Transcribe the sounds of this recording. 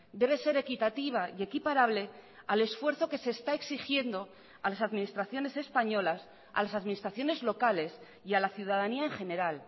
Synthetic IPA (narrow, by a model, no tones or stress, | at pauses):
d̪e̞β̞e̞se̞ɾe̞kit̪at̪iβ̞aie̞kipaɾaβle̞ | ale̞sfwe̞ɾθo̞ke̞se̞ːst̪ae̞ksixje̞nd̪o̞ | alasaðmĩnist̪ɾaθjo̞ne̞se̞spaɲo̞las | a̰lasaðminist̪ɾaθjo̞ne̞zlo̞kale̞s | ialaθjuð̞aðaniaeŋxe̞ne̞ɾal